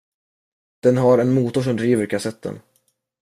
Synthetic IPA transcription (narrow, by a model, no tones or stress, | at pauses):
d̪̥ɛnɦaɾɛnmuːt̪ʊʂɔmd̪ɾiːvəɾkʰasɛt̪ʰːə̰n